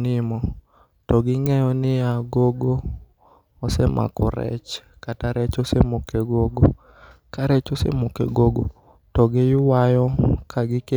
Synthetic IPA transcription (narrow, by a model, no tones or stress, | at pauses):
nɪmɔ | tɔɡɪŋɛjɔnɪaɡoɡoː | sɛmʔa̰kɔ̰ɾɛ̰t͡ʃ | kataɾɛt͡ʃɔsemokɛɡoɡo | kaɾɛt͡ʃɔsḛmokɛ̰ɡoɡo | tɔɡejʊwajɔkʰaɡɪke